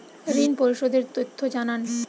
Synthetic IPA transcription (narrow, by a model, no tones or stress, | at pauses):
ɾinpoɾʃod̪eɾt̪ot̪ʰːod͡ʑanan